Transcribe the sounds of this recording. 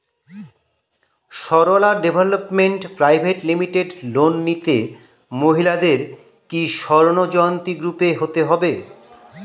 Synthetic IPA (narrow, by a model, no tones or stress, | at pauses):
ʃɔɾolaɖebʱelopmeɳʈpɾajbʱeʈlimiʈeɖlonːit̪e | moɦilad̪eɾ | kiʃɔɾonod͡ʑɔjont̪iɡɾupeɦot̪eɦɔbe